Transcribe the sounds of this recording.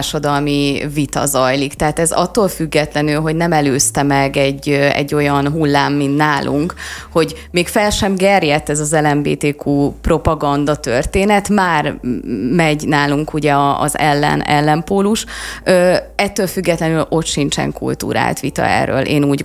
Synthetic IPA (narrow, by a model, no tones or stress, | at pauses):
rʃɒd̪ɒlmivit̪ɒ̰zɒjlikt̪ɛɦaːt̪ɛzɒ̰t̪ːoːlfyɡːɛt̪lɛnylɦo̞ɟnɛmɛløːst̪ɛmɛɡɛɟːɛ̰ɟːo̞jɒnɦulːaːmːint̪naːlʔṵŋkho̞ɟ | meːkfɛlʃɛmɡɛrjɛt̪ːɛzɒzɛlɛmbḛːt̪eːkʰuːpro̞pɒɡɒnd̪ɒt̪ørt̪eːnɛt̪maːrmɛɟnaːluŋkuɟɛɒ̰ːzɛ̰lːɛ̰nɛ̰lːɛmpoːluʃøːɛt̪ːøːlfyɡːɛt̪lɛnylo̞t̪ʃint͡ʃɛ̰ŋkṵlt̪ṵːɾa̰ːlt̪ʋit̪ɒ̰ɛ̰rːø̰ːlʔḛːnuːɟ